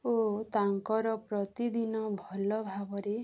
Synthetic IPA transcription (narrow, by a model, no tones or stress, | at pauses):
ot̪aŋkɔɾɔpɾɔt̪id̪inɔbʱɔlɔbʱabɔɾe